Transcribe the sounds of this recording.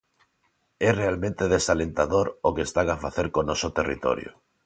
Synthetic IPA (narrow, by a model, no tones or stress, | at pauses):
ɛrealmẽnt̪eð̞esalent̪aðoɾokest̪aɣafaθeɾkonosot̪erḭt̪o̰ɾjo̰